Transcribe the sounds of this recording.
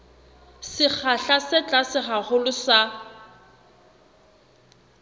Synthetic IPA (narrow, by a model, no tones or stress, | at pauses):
sɪk͡xʰaɬasɛt͡ɬʼasɪχaχʊlʊsa